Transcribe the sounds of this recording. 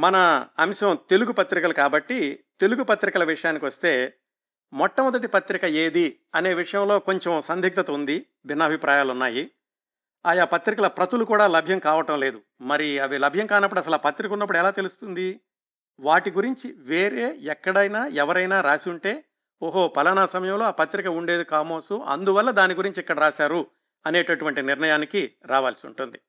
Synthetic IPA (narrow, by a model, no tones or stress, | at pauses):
mɐnɐːmʃɐmt̪e̞luɡupɐt̪ɾikɐlukaːbɐʈːit̪e̞luɡupɐt̪ɾikɐlɐʋiʂɐjaːnikiʋɐst̪e̞ː | mɔʈːɐmɔd̪ɐʈ̬ipɐt̪ɾikɐeːd̪i | ɐne̞ːʋiʂɐjɐmlo̞ːko̞ɲt͡ʃemsɐnd̪ʱik̚t̪ɐt̪ɐund̪i | bʱinːɐːbʱipɾaːjaːlunːaːji | aːjaːpɐt̪ɾikɐlɐpɾɐt̪ulukuːɽaːlɐbʱjɐmkaːʋɐʈɐmle̞ːd̪u | mɐɾiɐʋilɐbʱjɐŋkaːnɐpːuɽɐsɐlaːpɐt̪ɾikɐunːɐp̬ːuɽɛlaːt̪e̞lust̪und̪i | ʋaːʈiɡuɾiɲt͡ʃiʋe̞ːɾe̞ːɛkːɐɽɐjnaːɛʋɐɾɐjnaːɾaːsiuɳʈe̞ː | oːɦo̞pɐlɐnaːsɐmɐjɐmlo̞ːaːpɐt̪ɾikɐuɳɖe̞ːd̪ikaːmoːsuʔɐ̰nd̪uʋɐlːɐd̪aːniɡuɾiɲt͡ʃikːɐɽɐɾaːsaːɾu | ɐne̞ːʈɐʈuʋɐɳʈiniɾnɐjaːnikiɾaːʋaːlsiṵɳʈund̪i